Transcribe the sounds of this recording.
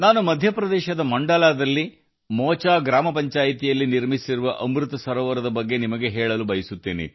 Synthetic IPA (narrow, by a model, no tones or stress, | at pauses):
naːnumɐd̪ʱjɐpɾɐd̪ɛːʃɐd̪ɐmɐɳɖɐlaːd̪ɐlːi | mɔːt͡ʃaːɡɾaːmɐpɐɲt͡ʃaːjit̪ijɐlːiniɾmisiɾuʋɐʔɐmɾut̪ɐsɐɾɔːʋɐɾɐd̪ɐbɐɡːe̞nimɐɡe̞ɦɛːɭɐlubɐjisut̪ːiːnḭ